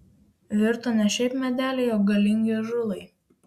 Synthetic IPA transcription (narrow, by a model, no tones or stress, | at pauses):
ʋʲɪɾt̪oːnʲɛʃʲɛɪpmʲɛd̪ʲæːlʲeɪoːɡɐlʲɪŋʲɡʲɪʒʊlˠɐɪ